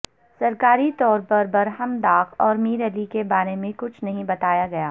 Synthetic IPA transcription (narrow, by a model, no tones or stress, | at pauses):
sɐɾkaːɾit̪ɔːɾpɐɾbɐɾɦɐmd̪aːkʰɔːɾmiːɾɛlikebaːɾemẽkʊt͡ʃʰnɐɦĩbɐt̪aːjaɡɐjaː